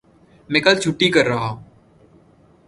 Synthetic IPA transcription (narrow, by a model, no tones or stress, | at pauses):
mẽkəlt͡ʃʰʊʈːikəɾːɐɦãː